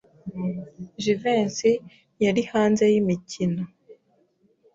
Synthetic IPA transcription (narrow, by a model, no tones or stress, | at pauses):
ʒiveːnsi | jaɾihaːnze̞jimicʰino